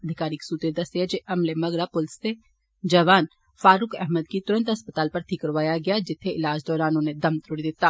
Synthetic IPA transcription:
ɐd̪ʱɪkaːɾiksuːt̪ɾed̪ɐseed͡ʒeʔɐmlemɐɡɾapʊlɪse | d͡ʒɐʋaːn | faːɾʊkɛɦməd̪̚kit̪ʊɾə̃nt̪ɦɐspət̪aːlpɐɾt̪ʰikəɾʋaːjaɡɪjad͡ʒɪt̪ʰːeɪlaːd͡ʒd̪ɔːɾaːnʊned̪ɐmt̪ʰʊɽid̪ɪt̪ːaː

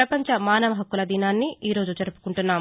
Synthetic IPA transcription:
ɾɐpɐɲt͡ʃɐmaːnɐʋɐɦɐkːulɐd̪inaːnːiʔiːɾo̞ːd͡ʒut͡ʃɐɾupu̥kuɳʈunːaːm

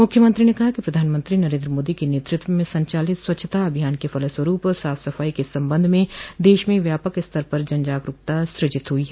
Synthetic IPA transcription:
mʊkʰjəmə̃nt̪ɾinekɐɦakipɾɐd̪ʱaːnmə̃nt̪ɾinɐɾẽːnd̪ɾəmoːd̪ikeneːt̪ɾɪt̪wəmẽsɐ̃ɲt͡ʃaːlɪt̪swɐtːʃʰət̪aɐbʱijaːnkefɐləswəɾuːpsaːfsɐfaːikesɐ̃mbə̃nd̪ʱmẽd̪eːʃmẽʋjaːpəkɪst̪ʰəɾpɐɾd͡ʒɐ̃nd͡ʒaːkɾʊkt̪asɾɪd͡ʒɪt̪ɦʊiɦɛː

